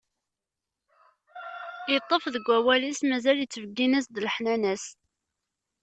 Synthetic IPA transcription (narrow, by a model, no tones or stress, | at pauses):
jit̪ˤːəfðəɡʷːæwælismæzæljət͡sːvəɡːinæsd̪lħnænæs